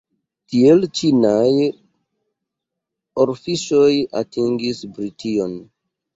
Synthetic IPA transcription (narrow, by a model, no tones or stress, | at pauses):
tielt͡ʃinaj | oɾfiʃo̞ja̰tiŋɡisbɾitʰion